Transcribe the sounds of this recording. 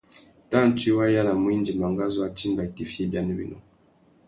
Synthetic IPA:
tã˦˨n˨ti˦wa˦ja˦la˨mwi˦nd͡ʒi˨ma˨ŋɡa˦zo˦a˦t͡ʃi˦mba˨i˨ti˨fje˦bja˨ne˦bḭ˦nɔ̰˦

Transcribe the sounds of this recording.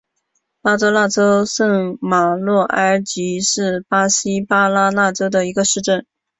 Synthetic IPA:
pa˥t͡sɤ˥la˥˩ʈ͡ʂo˥ʊʂə˥˩ŋma˨˩lwɔ˥˩ʔə˞˥t͡ɕi˧˥ʂɻ̩˥˩pa˥ɕi˥pa˥la˥la˥˩ʈ͡ʂo˥ʊd̪ə˨i˧˥ɡə˧ʂɻ̩˥˧ʈ͡ʂə˥˩n

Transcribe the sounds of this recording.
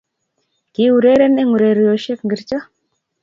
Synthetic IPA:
kɪ˨u˨ɾe˦ɾe˦nɛ˦ŋu˨ɾe˨ɾjo˨ʃe˦kŋɡi˨ɾt͡ʃɔ˦

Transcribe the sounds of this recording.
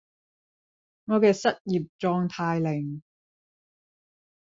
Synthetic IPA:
ŋɔː˨˧kɛː˧sɐ˥t̚jiː˨p̚t͡sɔː˧ŋt̪ʰaː˧jlɪ˨˩ŋ

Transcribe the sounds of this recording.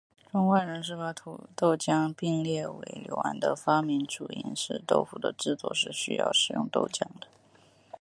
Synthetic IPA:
ʈ͡ʂʊ˥ŋwa˥˩nɻə˧˥nʂɻ̩˥˩fa˥t̪ʰu˨˩t̪o˥˩ʊt͡ɕjɑ˥ŋpi˥˧ŋljɛ˥˩we˧˥ɪljo˧˥ʊwa̰˧˥nd̪ə˧fa˥mi˧˥nʈ͡ʂu˨˩ḭ˧˥nʂɻ̩˥˧t̪o̰˥˩ʊfu˧˩d̪ə̰˧ʈ͡ʂɻ̩˥˧t͡swɔ̰˥˧ʂɻ̩˥˩ɕy̰˥jɑ̰˥˩ʊʂɻ̩˨˩jʊ̰˥˧ŋt̪o˥˩ʊt͡ɕjɑ˥ŋd̪ə̥˨

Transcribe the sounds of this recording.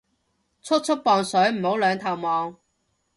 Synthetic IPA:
t͡sʰɵ˥t̚t͡sʰɵ˥t̚pɔː˨ŋsɵ˨˥ɥm̩˨˩ho˨˥wlœː˨˧ŋt̪ʰɐ˨˩wmɔː˨˧ŋ

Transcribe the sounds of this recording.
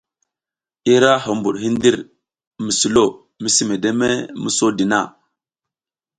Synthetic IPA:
i˦ɾa˦ɦo˨mbu˨ɗɦi˦ndi˦ɾ | mi˨su˨lo˦˨ | mi˦si˦me˨de˦me˦mu˦so˦di˨na˦˨

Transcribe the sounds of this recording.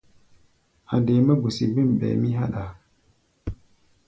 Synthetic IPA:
a˨de˨˦mə˦ɡu˨si˨bi˦m˨ɓḛ˨mi˦ɦa˦ɗa˨

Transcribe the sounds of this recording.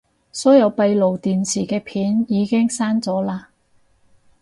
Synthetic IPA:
sɔː˨˥jɐ˨˧wpɐ˧jlo˨˩wt̪iː˨nsʰiː˨˩kɛː˧pʰiː˨˥njiː˨˧kɪ˥ŋsaː˥nt͡sɔː˨˥laː˧

